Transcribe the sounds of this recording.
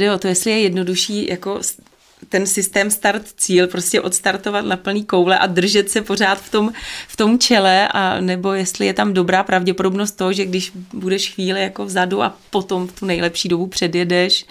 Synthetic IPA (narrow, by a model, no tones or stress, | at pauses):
dɛo̞t̪o̞jɛstlɪjɛjɛdno̞duʃiːjʔako̞s | t̪ɛnsɪst̪ɛːmst̪aɾt̪t͡siːlpɾo̞scɛʔo̞t̪st̪aɾt̪o̞vat̪napl̩niːko̞wlɛʔadr̩ʒɛt̪sɛpo̞r̝aːt̪ft̪o̞mft̪o̞mt͡ʃɛlɛʔa̰nɛbo̞jɛst̪lɪjɛt̪amdo̞bɾaːpɾavɟɛpodo̞bnost̪ːoɦoʒɛɡdɪʃbudɛʃxviːlɪjako̞vzaduʔa̰po̞t̪o̞mft̪unɛjlɛpʃiːdobupr̝̥ɛdjɛdɛʃ